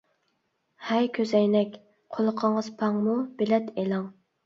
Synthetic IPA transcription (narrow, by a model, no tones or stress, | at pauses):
hɛjkʲʰøzɛjnɛkʲ | qʰolˠʊqʰəɴəz̥pʰɑŋmub̥elɛt̪elɑŋ